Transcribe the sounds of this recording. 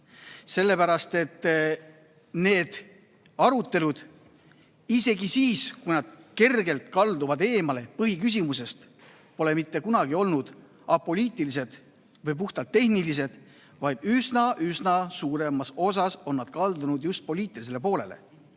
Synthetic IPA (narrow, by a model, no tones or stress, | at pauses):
se̞lːe̞pæɾɑst̪e̞t̪ː | ne̞ːd̪̥ | ɑɾut̪ːe̞lud̪̥ | ise̞ɡisiːskujnɑd̪̥̚ke̞rɡe̞lt̪kɑld̪uvɑd̪e̞ːmɑle̞pɤɦikys̬imuse̞st̪ | po̞le̞mit̪ːe̞kunɑɡ̥io̞lnud̪̥ | ɑpo̞lʲiːt̪ˑilis̬e̞d̪̥ | vɤjp̬uht̪ɑlt̪ːe̞hnilis̬e̞d̪̥ | vɑjd̪̥ysnɑʔysnɑsuːɾe̞mɑso̞s̬ɑso̞nːɑd̪̥̚kɑld̪unud̪just̪̚po̞lʲiːt̪ːˑilis̬e̞le̞p̬o̞ːle̞̰le̞̰